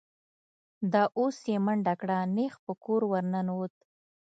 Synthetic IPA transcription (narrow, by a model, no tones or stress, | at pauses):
d̪ɑʔosjemaɳɖakɽanexpəkoɾwaɾnanot̪̚